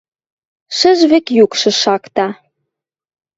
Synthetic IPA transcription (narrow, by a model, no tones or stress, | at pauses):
ʃə̆ʒβekjukʃɤ̆ʃɑkt̪ɑ